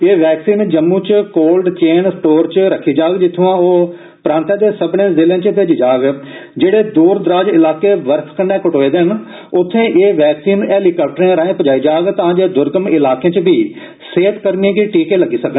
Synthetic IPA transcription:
eːʋɛːksiːnd͡ʒəmːũːt͡ʃkoːlɖt͡ʃeːnsʈoːɾt͡ʃɾəkʰːiːd͡ʒaːɡd͡ʒɪt̪ʰːũːãːoː | pɾãːnt̪ãːd̪eːsəbɳẽːzɪlẽːt͡ʃət̪eːd͡ʒid͡ʒaːɡd͡ʒeːɽeːd̪uːɾd̪əɾaːd͡ʒɪlaːkeːʋəɾpʰkənːeːkəʈoːeːd̪en | ʊt̪ʰːẽːʔeːʋɛːksiːnɛːliːkəːp̚ʈəɾẽɾaːẽːpəd͡ʒaːiːd͡ʒaːɡt̪aãːd͡ʒeːd̪ʊɾɡəmɪlaːkẽːt͡ʃbiː | seːt̪kəɾniːkiʈiːkeːləɡiːsəkən

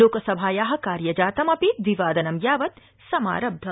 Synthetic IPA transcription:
oːkɐsɐbʱaːjaːɦɐ̆kaːɾjɐd͡ʒaːt̪ɐmɐpit̪ʋiʋaːd̪ɐnɐmjaːʋɐt̪̚ | sɐma̰ːɾɐb̚d̪ʱɐ

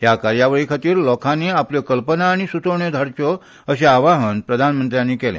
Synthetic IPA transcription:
ɦjakaɾjaʋəɭikʰat̪iːɾlɔkʰanːiapljɔkəlpənaːɽ̃isut̪oɳjed̪ʱaɾt͡ɕo | əɕeaʋaɦənpɾəd̪ʱanmənt̪ɾjãnːiːkɛlḛ̃

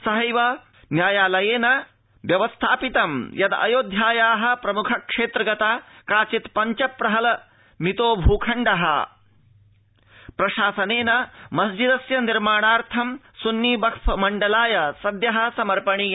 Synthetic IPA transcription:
sɐɦɐjʋɐ | njaːjaːlɐjeːnɐ | ʋjɐʋɐst̪ʰaːpit̪ɐmjɐd̪ɐ̰joːd̪ʱjaːjaːɦɐ̆pɾɐmukʰɐkʂeːt̪ɾɐɡɐt̪aːkaːt͡ʃit̪pɐɲt͡ʃɐpːɾɐɦɐlɐ | mit̪oːbʱuːkʰɐɳɖɐɦɐ̰ | pɾɐʃaːsɐneːnɐmɐsd͡ʒid̪ɐsjɐniɾmaːɳaːɾt̪ʰɐm | sunːiːbɐkʰpɐmɐɳɖɐlaːjɐsɐd̪jɐɦɐ̆sɐmɐɾpɐɳiː

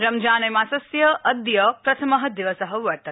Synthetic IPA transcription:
ɾɐmd͡ʒaːnɐjmaːsɐsjɐʔːd̪jɐpɾɐt̪ʰɐmɐɦɐd̪iʋɐsɐɦɐʋɐɾt̪ɐ

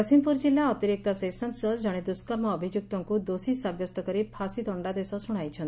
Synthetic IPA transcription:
ɔsimpuɾd͡ʒilːaɔt̪iɾik̚t̪ɔsesɔnsɔd͡ʒɔɽ̃ed̪uskɔɾmɔːbʱid͡ʒjuk̚t̪ɔŋkud̪osisabjɔst̪ɔkɔɾipʰasid̪ɔɳɖad̪esɔsuɽ̃ajt͡ʃʰɔnt̪

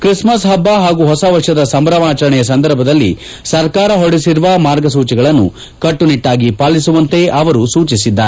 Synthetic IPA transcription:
kɾismɐsɦɐbːaɦaːɡuɦɔsɐʋɐʂjɐd̪ɐsɐmbɾɐmaːt͡ʃɐɾɐɳɛjɐs̬ɐnd̪ɐɾbʱɐd̪ɐlːḭ | sɐɾkaːɾɐɦoɽisiɾuʋɐmaːɾɡɐs̬uːt͡ʃiɡɐɭɐnːṵ | kɐʈːuniʈːaːɡipaːlisuʋɐnt̪e̞ʔɐʋɐɾusuːt͡ʃisid̪ːaːɾe

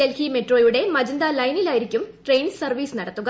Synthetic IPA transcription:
elhimeʈro̞ːjuɽe̞mɐd͡ʑind̪aːlɐjnilaːjiɾikʲːumʈre̞jnsɐrʋiːsnɐɽɐt̪ːuɣɐ

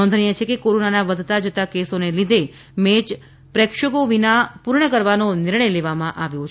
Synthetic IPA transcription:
ɔnd̪ʱɳijet͡ʃʰekekoɾonanaʋəd̪ʱt̪ad͡ʒət̪akesonelid̪ʱe | met͡ʃ | pɾɛkʃəɡoʋinapuɾɳəkəɾʋanonɪɾɳ̃əjleʋamãʔaʋjõt͡ʃʰ

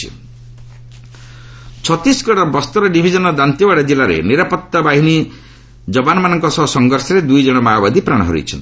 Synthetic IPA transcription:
ḭ | t͡ʃʰɔt̪isɡɔɽɔbɔst̪ɔɾɔɖibʱid͡ʒɔnɔd̪ant̪jibaɽad͡ʒilaɾḛniɾapɔt̪ːabaɦini | d͡ʒɔbanɔmanɔŋkɔsɔɦsɔŋɡɔɾsɔɾed̪ujd͡ʒɔɽ̃ɔmaɔbad̪ipɾaɽ̃ɔɦɔ̰ɾḭjt͡ʃʰɔnt̪i̥

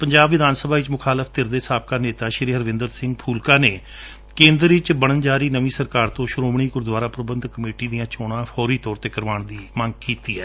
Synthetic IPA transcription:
pəɲd͡ʒaːbʋɪd̪aːnsəbʱaːɪt͡ʃmʊkʰaːləfʰt̪ɪɾd̪eːsaːb̚kaːneːt̪aːʃɪɾiːɦəɾʋɪ̃ːnd̪əɾsɪŋɡpʰuːlkaːneː | kẽːnd̪əɾɪt͡ʃbəɽ̃ənd͡ʒaːɾiːnəʋĩːsəɾkaːɾt̪õːʃɾoːmɳ̃iːkʊɾd̪waːɾaːpɾəbənd̪kəmeːʈiːd̪ijãːt͡ʃɔːɽ̃ãːpʰɔːɾiːt̪ɔːɾt̪eːkəɾʋaːɳd̪iːməŋɡkiːt̪iːɛː

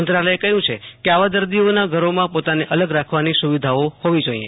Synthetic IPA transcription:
ənt̪ɾaləjekəɦjũt͡ʃʰekeaʋad̪əɾd̪ionaɡʱəɾomãpot̪aneʔələɡɾakʰʋanisuʋid̪ʱaohoʋid͡ʒoḭḛ̃

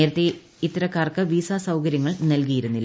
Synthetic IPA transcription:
eːɾɐt̪ːe | it̪ːɐɾɐkaːrkɨʋiːsaːsɐwkɐɾjɐŋːɐɭnɐlkijiɾunːilː

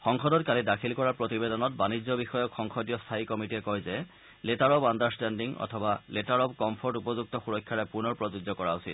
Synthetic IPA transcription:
xɔŋxɔdɔt̚kalidakʰilkɔɹaɹpɹotibedɔnɔtbanizɔbixɔjɔkxɔŋxʰɔdijɔstʰaikɔmitiɛkɔjzɛ | letaɹɔbandaɹstɛndiŋɔ̰tʰɔbaletaɹɔbkɔmpʰɔɹtupɔzuk̚tɔxuɹɔkʰːaɹɛpunɔɹpɹɔzuzɔkɔɹa̰usḭt̚

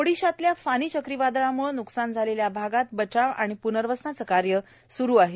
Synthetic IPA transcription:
oɽiɕat̪ljafaɽ̃iːt͡ɕəkɾiʋad̪ɭamuɭnuksand͡zʱaleljabʱaɡat̪̚bət͡ɕaʋaɽ̃ipunəɾʋəsnat͡səkaɾjə | suɾuːaɦe

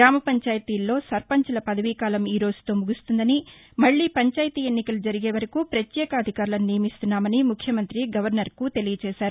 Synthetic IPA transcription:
ɾaːmɐpɐɲt͡ʃaːjɐt̪iːlːo̞ːsɐɾpɐɲt͡ʃɐlɐpɐd̪ɐʋiːkaːlɐmiːɾo̞ːzu̥t̪oːmuɡust̪und̪ɐni | mɐɭːiːpɐɲt͡ʃaːjt̪iːe̞nːikɐlud͡ʒɐɾiɡe̞ːʋɐɾɐkupɾɐt̪jɛːkɐːd̪ʱikaːɾulɐnnijɐmist̪unːaːmɐnimukʰːjɐmɐnt̪ɾiɡɐʋɐɾnɐɾkut̪e̞lijɐt͡ʃɛːʃaːɾu

